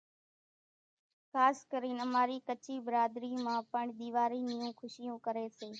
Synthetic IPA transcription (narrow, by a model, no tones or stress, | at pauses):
xaːskəɾiːnəmaːɾiːkət͡ʃiːbɪɾaːd̪ɾiːmãːpəɳd̪iːʋaːɾiːnɪjũːkʰʊʃɪjũːkəɾeːseː